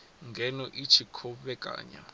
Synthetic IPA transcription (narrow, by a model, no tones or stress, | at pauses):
ŋɡʱɛnɔʔit͡ʃʰikʰɔɓɛkʼa̰ːɲa̰